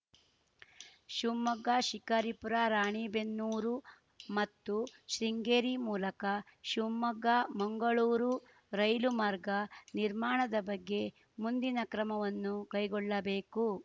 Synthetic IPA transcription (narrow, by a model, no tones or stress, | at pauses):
ʃumːɐɡːaːʃikɐɾipuɾaːɾaːɳiːbenːuːɾu | mɐt̪ːuʃɾiŋɡeːɾimuːlɐkɐ | ʃumːɐɡamɐŋɡɐɭuːɾu | ɾɐjlumaːɾɡɐniɾmaːɳɐd̪ɐbɐɡːe̞ | mund̪inɐkɾɐmɐʋɐnːukɐjɡɔɭːɐbeːku